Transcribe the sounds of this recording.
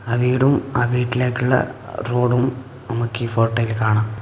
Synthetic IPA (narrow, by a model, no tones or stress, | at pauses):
ɐʋiːɽuma̰ːʋiːʈːile̞ːkːuɭːɐ̰roːɽum | nɐmukːifoːʈːɐjilkaːɳaːm